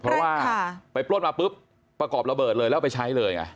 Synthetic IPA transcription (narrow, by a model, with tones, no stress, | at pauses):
pʰɾɔ˦˥waː˥˩˧pa˧jplo˥˩n̚maː˧pɯ˦˥p̚ː | ɾa˧kɔː˨˩p̚ɾa˧bɤː˨˩t̪̚lɤː˧jlɛ˦˥wpa˧jt͡ɕʰa˦˥jlɤː˧jka̰˧˩